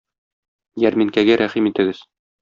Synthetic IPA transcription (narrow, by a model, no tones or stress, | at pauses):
jæɾmiŋkæɡæɾʔæχimit̪ɘ̆ɡɘz̥